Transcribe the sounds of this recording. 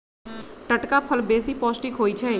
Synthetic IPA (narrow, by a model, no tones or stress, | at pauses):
ʈəʈkaːpʰəlbeːsiːpɔːsʈɪkɦoːiːt͡ʃʰɛː